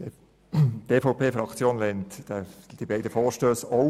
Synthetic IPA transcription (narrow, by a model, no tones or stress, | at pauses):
t̪eːfɔʊpʰeːfɾɑkt͡sjoːnlɛnt̪d̥ɛd̥ibɛɪdəfɔːʃtøːsɔ